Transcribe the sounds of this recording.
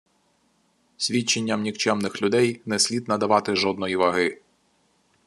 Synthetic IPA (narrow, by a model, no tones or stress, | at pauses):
sʲʋʲit͡ʃːenʲːɐmnʲiwt͡ʃɛmnɪxlʲʊd̪ɛjnɛsʲlʲid̪nɐd̪ɐʋɑt̪ɪʒɔd̪̚nɔjiʋɐɦɪ